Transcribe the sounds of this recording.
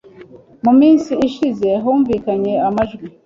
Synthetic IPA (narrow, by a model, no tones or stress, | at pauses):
mumiːnsiiʃize̞ɦuːɱviːkaɲe̞amaʒɡi